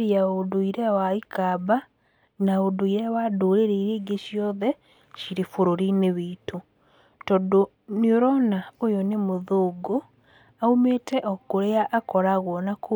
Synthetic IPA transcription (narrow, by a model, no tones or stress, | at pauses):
ɾiaodoiɾɛwaikaba | naodoiɾɛwadoːɾeɾeiɾiːɡeʃjɔðɛ | ʃiɾifoɾoɾineβiːto | tɔdo | nioɾɔnaojɔnemoðoːɡo | aumeːtɛʔɔkoɾeaʔːkɔɾaɣwɔnako